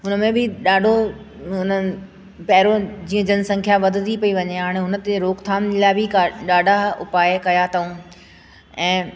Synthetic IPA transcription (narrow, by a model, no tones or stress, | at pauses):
ɦʊnə̆mẽbɪɗaːɖʱo | ɦʊnə | pɐɦɪɾod͡ʑiːə̃d͡ʑənɪ̆sɐ̃ŋkʰjaʋɐd̪ʱɪd̪ʱipɐiʋɐɲeɦaːɽ̃eɦʊnə̆t̪eɾoːkt̪ʰaːnd͡ʑlaːɪbʱikaɗaːɖʱaʊ̰paːɪkɐjat̪ʰɐũ | ɛ̃ː